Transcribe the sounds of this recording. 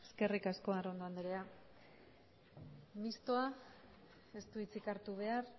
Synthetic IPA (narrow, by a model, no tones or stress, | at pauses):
eske̞rikasko̞aɾo̞nd̪oand̪eɾea | mist̪oa | e̞st̪uit͡sikaɾt̪uβ̞e̞aɾ